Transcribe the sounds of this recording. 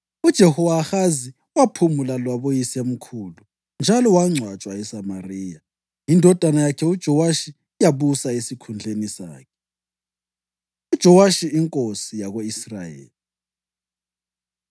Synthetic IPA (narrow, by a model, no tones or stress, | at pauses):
ud̥ʒ̥ʱɛhɔwaxazi | wapʰumulalwaβojisem̩kʰuːlu | nd͡ʒʱalɔwaŋ͡ǀʱwat͡ʃʼwaɛsamariːja | indʱɔd̥ʱanajakʰɛud̥ʒ̥ʱɔwaʃi | jaβusaesikʰund͡ɮʱenisa̰ːkʰɛ̥ | ud̥ʒ̥ʱɔwaʃiiŋkʼosijaɣoisra̰jḛːli